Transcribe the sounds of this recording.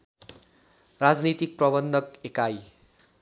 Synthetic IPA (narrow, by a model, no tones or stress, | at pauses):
rad͡znit̪ik̚prʌbʌnd̪ʱʌkekaj